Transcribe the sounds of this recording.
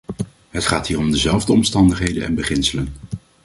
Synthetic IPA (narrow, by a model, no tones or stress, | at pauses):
ɦətχaːtɦiːrɔmdəzɛlˠvdəɔmstɑndəχɦejdənɛ̰nbəχɪnsələn